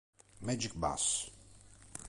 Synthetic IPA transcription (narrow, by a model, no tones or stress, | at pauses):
mɛd͡ʒik̚ba̰s